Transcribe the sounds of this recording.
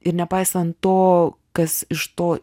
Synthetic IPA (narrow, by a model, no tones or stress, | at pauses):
ɪɾnʲɛpɐɪsɐnt̪̚t̪oːkɐsɪʃt̪oː